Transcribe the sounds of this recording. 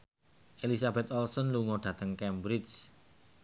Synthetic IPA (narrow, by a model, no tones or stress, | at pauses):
ʔelisabɛt̪ɔlsɔnluŋɔɖ̥ä̤t̪əŋkɛmbɾit͡ʃ